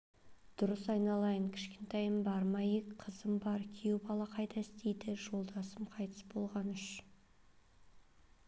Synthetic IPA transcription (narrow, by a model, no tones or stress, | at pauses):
d̪̥ʊɾəsɑjnɑlˠɑjəɴkʲʰɪ̥ʃkʲent̪ɑjəmbɑɾmɑjekqʰəzəmbɑɾkʲʰiewbɑlˠɑqʰɑjt̪ʰɑɪst̪ejd̪ɪʒo̞lˠd̪ɑsəmqʰɑjt̪ʰə̥sbo̞lˠʁɑnʏʃ